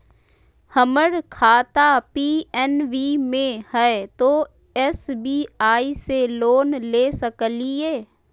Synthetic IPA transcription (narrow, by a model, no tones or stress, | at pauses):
həməɾkʰaːt̪apiːɛnʋimẽhɛt̪oː | ɛsbiːaːiseloːnleːsəklieː